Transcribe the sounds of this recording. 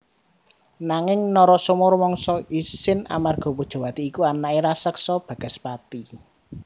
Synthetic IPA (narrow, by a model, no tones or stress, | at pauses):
naŋɪŋnɔɾɔsumʊrmɔŋsɔisɪna̰marɡ̥ɔ̤pud̥ʒ̥ɔ̤wat̪iːkuanaiɾasəksɔb̥ä̤ɡ̥a̤spat̪i